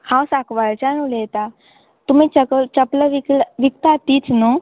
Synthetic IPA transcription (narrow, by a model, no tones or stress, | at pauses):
kʰãwsakʋaɭt͡ɕanulejt̪a | t̪um̤it͡ɕəkət͡ɕəpləʋiklʋik̚t̪at̪iːt͡snu